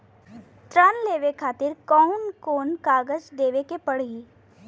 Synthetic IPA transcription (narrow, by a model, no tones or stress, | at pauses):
t̪ɾənleːʋekʰaːt̪ɪɾkɔʊnkoːnkaːɡəd͡ʒd̪eːʋekepɐɽ̤i